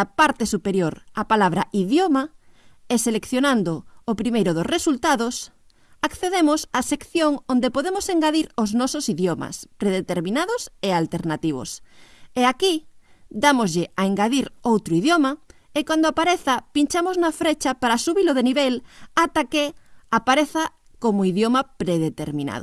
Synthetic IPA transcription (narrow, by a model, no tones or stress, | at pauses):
apaɾt̪esupeɾjoɾapalaβɾa̰iðjoma | eselekθjonand̪oːpɾimejɾoðosresult̪aðos | akθeðemosasekθjoŋond̪epoðemoseŋɡaðiɾoznɔsosiðjoma̰spɾeðet̪eɾmĩnaðosealt̪eɾnat̪iβ̞o̰seakid̪amozʎeaeŋɡaðiɾowt̪ɾʊiðjomɐ | ekwand̪oapaɾeθɐpint͡ʃamoznafɾet͡ʃapaɾasuβiloðeniβelat̪akeapaɾeθa | komoiðjomapɾeðet̪eɾmĩna̰ðo